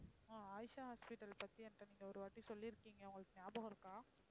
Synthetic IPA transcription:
aːaːjʂaɦaːspɪʈːɐlpɐt̪ːiɐndɾɐniːŋɡɐɔɾɯʋɐʈːisɔlːiɾɯkːiːŋɡɐʊŋɡɐɭɯkːɯnjaːbɐ̃ɣɪɾɯkːaː

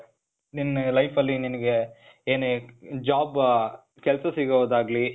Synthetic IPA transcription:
ninːɐlɐjpɐlːininɐɡe | eːneːd͡ʒaːb | kɛlsɐsiɡɐʋoːd̪aːɡli

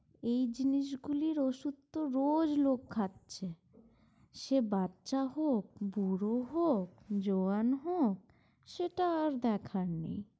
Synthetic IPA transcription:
ejd͡ʑiniʃ̬ɡuliɾoʃud̪oɾod͡ʑlokːʰat̪ːɕʰe | ʃebatːʃaɦok̚buɾoɦok̚d͡ʑoanɦok̚ | ʃeʈaɾd̪ɛkʰaɾnḭj

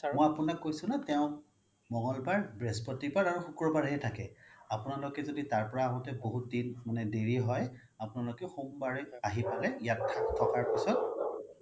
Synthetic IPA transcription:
mɔjapunakːojsʊnatɛʊ̃ | mɔŋɔlbaɹbɹɛspɔtipaɹaɹuxukɹɔbaɹɦɛtʰakɛapʊnalokɛzoditaɹpɔɹaːɦɔ̃tɛboɦut̚dinmanɛdeɹiɦɔj | apʊnalokɛxumbaɹɛaɦipalɛjatʰːatʰːɔkaɹpisɔt̚

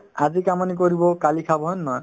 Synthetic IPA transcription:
azikamɔnik̬oɾibɔkalikʰabɔɦɔnːɔ

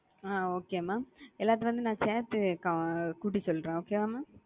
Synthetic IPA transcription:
aːoːkeːmːaːɛlːaːt̪̬ːɯʋɐnd̪ɯnãːseːt̪ɯkɐkuːʈ̬ːisɔlːɾẽːoːkemaːmaː

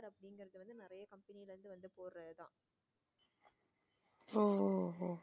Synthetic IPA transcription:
ɾɐpːɐɽɪŋɡɐɾɐðɯʋɐnd̪ɯnɪɾɐjɐkɐmpɐnɪjɪlʋɐnd̪ɯʋɐnd̪ɯpoːɾrɐðɯt̪ãː | oːoː

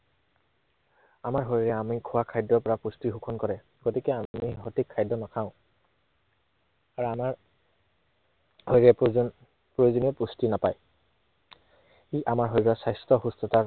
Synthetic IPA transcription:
amaɹɦoɹiɹɛamikʰʊwakʰajdɔɹpɔɹapustiɦukʰɔnkɔɹɛ | ɡ̥otikɛamiɦotikʰːajdːɔnakʰaʊ̃ | aɹuamaɹ | hoɹiɹɛ | pɹojzunɛpustinapaj | xiʔamaɹɦojɹɔsajstɔxustɔtaɹ

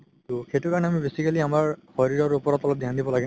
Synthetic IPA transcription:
tuxetukaɹɔnɛamibesikaliamaɹxɔɹiɹɔɹupɔɹɔtɔlɔp̚dʱjandibɔlaɡɛ

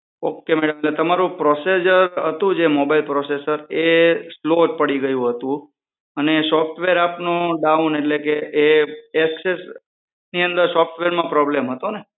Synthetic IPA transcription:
okːemɛɽəmelet̪əmaɾũpɾɔsed͡ʒəɾɦət̪ũd͡ʒemobailpɾɔsesəɾesloʈ̚pəɽiɡəjũɦət̪ũ | ənesɔfʈʋeɾapnõɖ̪aũneʈlekeʔːɛkses | niənd̪əɾsɔfʈʋeɾmãpɾɔblemɦət̪one

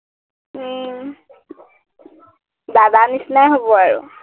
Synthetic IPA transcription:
d̪adanisnajɦobɔaɹṵ

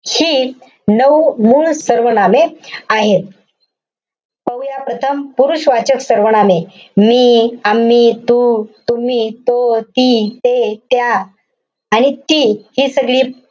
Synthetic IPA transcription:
hiː | nəʋmuːɭsəɾʋənameaɦet̪̚ | pəwjapɾət̪ʰəmpuɾuɕʋat͡ɕəksəɾʋəɳ̃ame | miːamːiːt̪ut̪um̤iːt̪ot̪it̪et̪jaː | ñit̪iːhiːsəɡɭiː

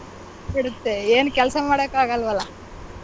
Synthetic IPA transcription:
biɽut̪ːeeːnkɛlɐsɐmaːɽeːkaːɡɐlʋɐlːɐ

